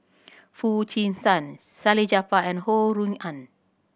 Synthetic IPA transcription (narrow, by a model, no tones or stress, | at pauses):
fut͡ʃĩnsãnsalid͡ʒapaɛ̃nhoɹũŋãn